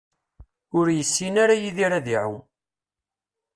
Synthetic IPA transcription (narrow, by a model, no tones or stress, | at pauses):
ʊɾjəsːinaɾajiðiɾaðiʕu